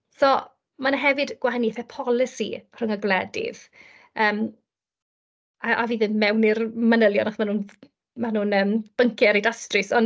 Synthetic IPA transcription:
sɔ | manaɦɛvɨdɡ̥wahaniθɛpʰɔlˠɪsḭr̥əŋəɡlˠɛdɪ̰ð | əːm | aʔaviːðɪnmɛwnɪrmənəlˠjɔnaχmanuːn | manuːnəːmb̥əŋkʰɪɛɾejdastrɪsɔn

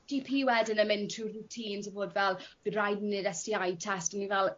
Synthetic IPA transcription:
d̥ipʰiwɛdənəmɪntʰruutʰiːnzʰəboːdvɛlˠb̥rajdnɪdɛstiajtʰɛstənivɛlˠ

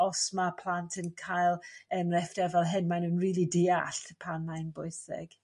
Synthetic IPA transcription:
ɔsmapʰl̥ˠantʰənkʰajlˠəmrɛfd̥ɛvɛlˠɦɪnmajnuːnriːlˠidɪːaɬpʰanmajnbʊɨsɪ̰ɡ̥

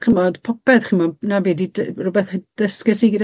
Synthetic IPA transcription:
χəmɔdpʰɔpɛðχəmɔnavɛdidrʊbɛθhəd̥əskɛsiɡəda

